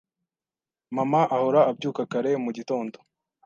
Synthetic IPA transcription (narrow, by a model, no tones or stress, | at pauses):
mamaʔahoɾaːb̚ɟuːkakaɾe̞muɟito̞ːndo